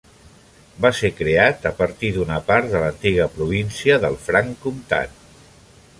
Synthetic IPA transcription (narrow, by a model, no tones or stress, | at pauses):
basekɾeat̪əpəɾt̪iðunəpaɾt̪ðələnt̪iɣ̞əpɾuβ̞insiəðəlˠfɾaŋkumt̪a̰t̪